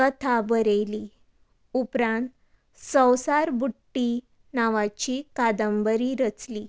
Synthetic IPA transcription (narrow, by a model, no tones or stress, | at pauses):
ət̪ʰabəɾeli | upɾãnt̪ | sə̃wsaɾbuʈːi | naʋat͡ɕikad̪əmbəɾiɾət͡sli